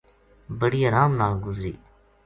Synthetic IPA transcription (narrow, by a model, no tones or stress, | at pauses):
bəɽiːəːɾaːmnaːlɡʊzɾḭː